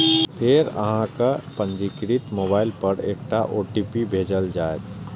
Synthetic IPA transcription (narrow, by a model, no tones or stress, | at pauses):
pʰeɾə̰ɦãkapə̃ɲd͡ʒikɾit̪moːbaːɪlpəɾeːkʈaʔoːʈiːpibʱeːd͡ʒəld͡ʒaːet̪